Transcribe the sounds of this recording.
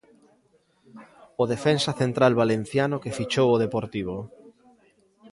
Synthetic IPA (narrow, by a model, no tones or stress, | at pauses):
oðefensaθent̪ɾalβalen̟θjanokefit͡ʃowoð̞epoɾt̪iβ̞o